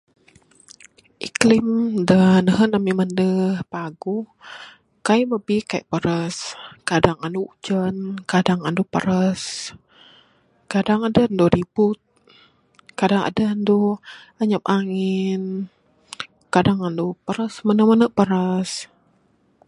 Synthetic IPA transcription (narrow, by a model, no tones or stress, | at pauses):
ʔiklimdənəɦənamiməndəpaɡuh | kajbəbikaiʔpəɾəskadaŋanud͡ʒənkadaŋandupəɾəs | kadaŋadəndoɾibut̪̚ | kadaŋa̰dəndu | əɲəp̚ʔaŋin | kadaŋandupəɾəsmənəmənəʔpəɾəs